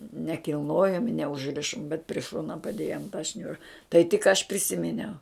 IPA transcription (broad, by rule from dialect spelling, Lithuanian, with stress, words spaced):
nʲɛkʲɪlˠˈnoːjoːm nʲɛʊʒʲˈrʲɪʃoːm bʲɛt pʲrʲɪ ˈʃoːnɐ pɐˈdʲeːjoːm tɐ ˈʃʲnʲʊrɐ tɐɪ tʲɪk ˈɐʃ pʲrʲɪˈsʲɪmʲɪnʲɛʊ